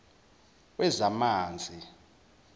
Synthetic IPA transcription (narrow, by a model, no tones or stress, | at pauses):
wɛzamaːnd͡zʱi